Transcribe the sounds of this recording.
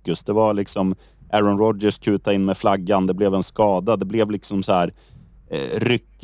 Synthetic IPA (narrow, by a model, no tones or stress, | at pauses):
kːɵsd̪ɛvalɪksɔm | ʔæɾɔnɾɔd̪d͡ʒɛʂkʰʉ̟ːt̪aɪnːmɛflaɡːand̪ɛblɛvɛnskɑːd̪ad̪ɛblɛvlɪksɔmsɔhæːɾ̰ | ɾʏkː